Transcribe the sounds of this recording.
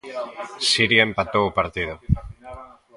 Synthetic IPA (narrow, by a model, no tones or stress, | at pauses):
siɾiempat̪oupaɾt̪iðo